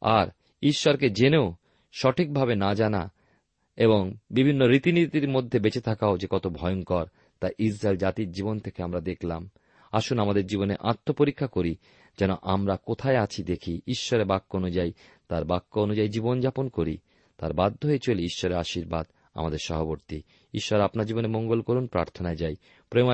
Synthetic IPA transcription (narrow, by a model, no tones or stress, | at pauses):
a̰ɾ | iʃːɔɾked͡ʑeneo | ʃɔʈʰik̚bʱabenad͡ʑana̰ | eboŋbibʱinːoɾit̪init̪iɾmod̪ʱːebet͡ɕet̪ʰakaod͡ʑekɔt̪obʱɔjonkɔɾ | t̪ajʔisɾaeld͡ʑat̪iɾd͡ʑibont̪ʰekeamɾad̪ekʰlam | aʃunamad̪eɾd͡ʑiboneʔaɾt̪ʰːopoɾikʰːakoɾi | d͡ʑɛnoʔamɾakot̪ʰaeat͡ɕʰid̪ekʰiiʃːɔɾebakːoonud͡ʑaj | t̪aɾbakːoonud͡ʑaid͡ʑibond͡ʑaponkoɾi | t̪aɾbad̪ʱːoɦoet͡ɕoleiʃːɔɾeaʃiɾbad̪ | a̰mad̪eɾʃɔɦoboɾt̪i | iʃːɔɾeapnaɾd͡ʑibonemoŋɡolkoɾunpɾa̰ɾt̪ʰonaed͡ʑaj | pɾem